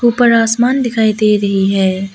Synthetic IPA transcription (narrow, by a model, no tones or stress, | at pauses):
uːpəɾaːsmaːnd̪ɪkʰaːid̪eːɾɐɦiɦɛː